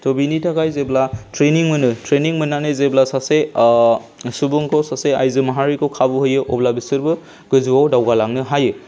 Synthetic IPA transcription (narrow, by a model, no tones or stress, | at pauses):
tʰobinitʰakajzeblatʰɾeniŋmɯnɯtʰɾeniŋmɯnanɯzeblasase | subuŋkʰowsaseajzɯmaɦaɾikʰowkʰabɯɦɯjɯʔɔblabisɯɾbɯ | ɡ̥ɯzuwawdawɡalaŋnɯɦajɯ